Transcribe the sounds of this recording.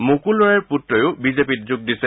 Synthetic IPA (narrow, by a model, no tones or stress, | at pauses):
mukulɔɹaɹputɹɔjʊbizepit̚zʊɡ̚disɛ